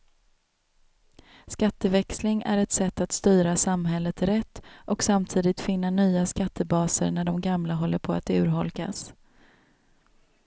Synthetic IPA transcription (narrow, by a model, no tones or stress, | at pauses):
skat̪ːəvɛkslɪŋæ̰ɾɛt̪sɛt̪ːat̪st̪yːɾasamɦɛlːət̪ɾɛt̪ːʔɔksamt̪ʰiːd̪ɪt̪fɪnːanyːaskat̪ʰːəbɑːsə̰ɾnæɖɔmɡamlaɦɔlːəɾpʰɔa̰t̪ʉ̟ːɾɦɔlka̰s